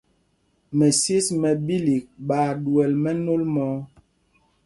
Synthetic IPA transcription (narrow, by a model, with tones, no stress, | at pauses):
mɛ˨sje˦smɛ˨bi˦li˨k̚ɓaː˨du˨ɛ˨lmɛ˦no˦lmɔː˨˦